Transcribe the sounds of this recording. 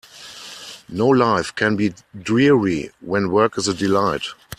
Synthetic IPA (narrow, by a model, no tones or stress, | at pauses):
noʊlaɪfkʰæ̃nbiː | dɹiɹiwɛ̃nwɜ˞kɪzədɪlaɪt